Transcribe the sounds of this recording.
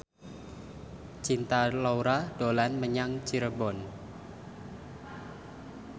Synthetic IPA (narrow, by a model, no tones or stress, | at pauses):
t͡ʃint̪alawɾad̥olanməɲaŋt͡ʃiɾəbɔn